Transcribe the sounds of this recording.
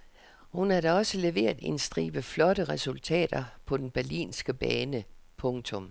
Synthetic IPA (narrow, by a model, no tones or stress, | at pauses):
hunæɐɾ̥æɒ̽səle̝ʋe̝̰ːɐðˠe̝nsd̥ʁḭːb̥əflɒ̽ɾəʁɛsult͡sʰɛ̰ːd̥ɐpʰɒ̽d̥enb̥æɐlḭːnsɡ̥əb̥ɛːnəpʰɔ̽ŋt͡sʰɔ̽m